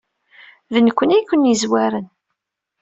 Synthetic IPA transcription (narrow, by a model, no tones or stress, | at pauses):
ðənkʷːənæjkʷːənːjizwæɾən